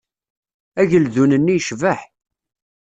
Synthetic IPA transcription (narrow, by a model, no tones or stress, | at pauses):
æʝəlðunənːijʃvəħ